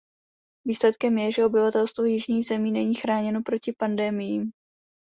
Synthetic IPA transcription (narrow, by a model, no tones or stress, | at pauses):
viːslɛt̪kɛmjɛʒɛo̞bɪvat̪ɛlst̪vojɪʒɲiːxzɛmiːnɛɲiːxɾaːɲɛno̞pɾo̞cɪpandɛmɪjiːm